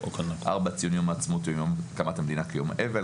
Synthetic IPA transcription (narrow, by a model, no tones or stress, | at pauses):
okonʔaʁbat͡sijunjomːt͡smot̪jomjomkamat̪hamed̪inakajomeve